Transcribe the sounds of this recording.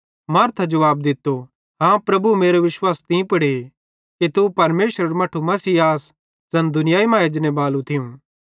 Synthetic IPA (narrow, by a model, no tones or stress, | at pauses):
mɐːɾt̪ʰad͡ʒɐʋaːb̚d̪ɪt̪ːo | ɦãːpɾɐbumeːɾoʋɪʃwaːst̪ĩpɐɽe | kit̪upɐɾmeːʃɾɐɾmɐʈʰumɐsiːaːs | zɐnd̪ʊnɪjaːimãːjed͡ʒɐnebaːlũt̪ʰɪjũː